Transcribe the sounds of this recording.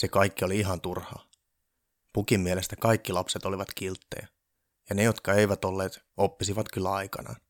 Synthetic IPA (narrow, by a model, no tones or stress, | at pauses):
sekɑikːioliiɦɑnt̪urhɑ̰ː | pukimːiele̞st̪ækɑikːilɑpset̪oliʋɑt̪kilt̪ːḛjɑ | jɑne̞jo̞t̪kɑeiʋæt̪o̞lːeːt̪ | opːisiʋɑt̪kylːæɑjkɑ̰nɑ̰ːn